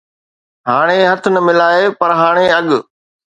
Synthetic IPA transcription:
ɦaːɽ̃eɦɐt̪ʰnəmɪlaːepɐɾɦaːɽ̃eɐɠ

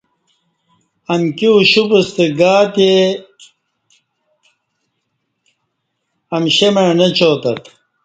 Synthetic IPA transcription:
ɐnkiuɕupɐst̪eɡaːt̪e | ɐmɕemɐɻnɐt͡ɕʰoːt̪ɐt̪

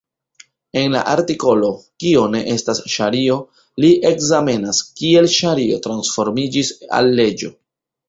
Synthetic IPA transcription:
e̞nla̰ʔaɾtiko̞lo̞kio̞ne̞ʔe̞stasʃaɾio̞ | liʔe̞kzame̞naskie̞lʃaɾio̞̰tɾansfo̞ɾmid͡ʒisa̰lːe̞d͡ʒo̞̰

